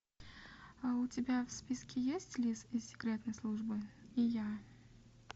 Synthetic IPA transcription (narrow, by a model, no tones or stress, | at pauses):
aʊtʲɪbʲafspʲiskʲɪjesʲtʲlʲisisʲɪ̥kɾʲet̪nəjslˠuʐbɨɪja